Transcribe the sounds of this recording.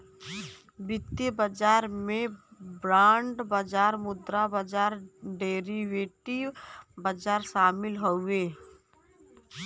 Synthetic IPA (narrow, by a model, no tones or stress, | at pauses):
bɪt̪jəbəd͡ʒaːɾmẽbɾaːɳɖbəd͡ʒaːɾmʊd̪ɾabəd͡ʒaːɾɖeːɾiʋeːʈibəd͡ʒaːɾʃaːmɪlɦoʊeː